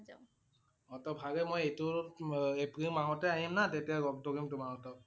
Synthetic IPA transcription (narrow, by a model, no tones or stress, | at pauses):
ɔtɔbʱaɡɛmojejtʊ | epɹimaɦɔtɛaɦimnatetijaɡɔɡ̚doɹimtʊmaɹɔtɔp